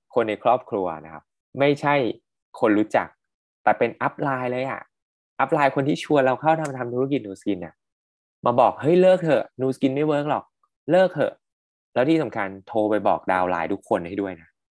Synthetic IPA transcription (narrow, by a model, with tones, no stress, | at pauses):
kʰo˧nːa˧jkʰɾɔː˥˩p̚kʰɾu˧ɐna˦˥kʰa˦˥p̚ | ma˥˩jt͡ɕʰa˥˩j | kʰo˧nɾuː˦˥t͡ɕa̰˨˩k̚ | t̪ɛː˨˩pe˧nʔa˦˥p̚laː˧jlɤː˧jʔa̰˨˩ | ʔa˦˥p̚laː˧jkʰo˧nt̪ʰiː˥˩t͡ɕʰu˧ənɾa˧wkʰa˥˩wnʰa˧mt̪ʰa˧mt̪ʰu˦˥ɾa˦˥ki˨˩nuː˧ski˧nʔa˨˩ | maː˧bɔː˨˩k̚hɤ˦˥jlɤː˥˩k̚t̪ʰɤ˨˩nuː˧ski˧nma˥˩jwɤː˦˥k̚lɔ˨˩k̚ | lɤː˥˩k̚t̪ʰɤ̰˧˩ | lɛː˦˥t̪ʰiː˥˩sa˩˦mkʰa˧nt̪ʰoː˧pa˧jbɔ̰ː˨˩k̚da̰ː˧wla̰ː˧jt̪u˦˥kʰːo˧nha˥˩jdu˥˩əjna˦˥